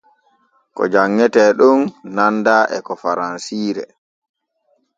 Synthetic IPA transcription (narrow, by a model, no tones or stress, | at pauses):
kɔ̰d͡ʒaŋːɛtɛɗunːandaʔɛkɔfaɾansiːɾɛ̰